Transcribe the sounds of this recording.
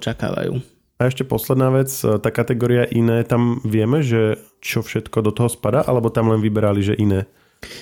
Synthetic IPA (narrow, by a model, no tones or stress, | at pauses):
t͡ʃaka̰ːʋa̰jṵː | aɛʃcɛpɔslɛd̪naːʋɛt͡st̪aːkat̪ɛɡɔːɾiaʔinɛːt̪amʋɪɛmɛʒɛ | t͡ʃɔfʃɛt̪kɔd̪ɔt̪ɔɦɔspad̪aːʔalɛbɔt̪amlɛnʋibɛɾaliʒɛʔinɛː